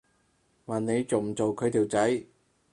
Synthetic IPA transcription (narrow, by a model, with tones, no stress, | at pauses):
ma˨˩nne˨˧jt͡so˨˩wm̩˨˩t͡so˨wkʰɵ˨˧ɥt̪ʰiː˨˩wt͡sɐ˨˥j